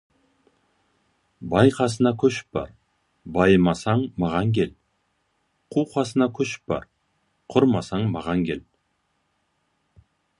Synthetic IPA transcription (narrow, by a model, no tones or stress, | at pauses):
bɑjqʰɑs̬ənɑkʲʰɵʃɪ̥p̚bɑ̰ɾ | bɑjəmɑsɑɴmɑʁɑŋkʲe̞l | qʰuwqʰɑsənɑkʲʰɵʃɪ̥p̚bɑ̰ɾ | qʰʊɾmɑsɑɴmɑʁɑŋkʲe̞l